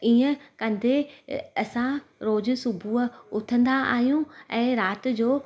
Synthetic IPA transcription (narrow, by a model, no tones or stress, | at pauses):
iːə̃kɐ̃nd̪ʱeɐsãɾoːd͡ʑ̆sʊbʱuʊt̪ʰə̃nd̪aa̰ːɦijũɛ̃ːɾaːt̪̆d͡ʑoː